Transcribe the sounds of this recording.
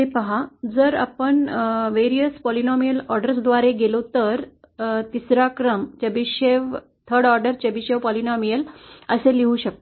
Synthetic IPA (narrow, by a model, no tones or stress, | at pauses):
epəɦad͡zəɾa̰pəɳʋeɾijəspɔlinɔmijəlɔɾɖəɾsd̪ʋaɾeɡelot̪əɾ | t̪isɾakɾəmt͡ɕebiɕeʋ | t̪ʰəɾɖɔɾɖəɾt͡ɕebiɕeʋpɔlinɔmijələseliũɕək̚t̪